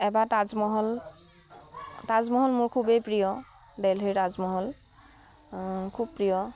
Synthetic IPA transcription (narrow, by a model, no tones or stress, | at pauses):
ɛbatazmɔɦɔl | tazmɔɦɔlmʊɹkʰubejpɹijɔ | dɛlɦejtazmɔɦɔl | kʰubpɹijɔ